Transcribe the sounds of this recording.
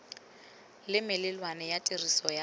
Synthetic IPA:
lɪmɪlɪlwanɛjatʼirisɔja

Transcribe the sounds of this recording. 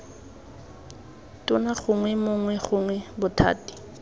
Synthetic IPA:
tʊnaχʊŋwɛmʊŋwɛχʊŋwɛbʊtʰa̰ːti̥

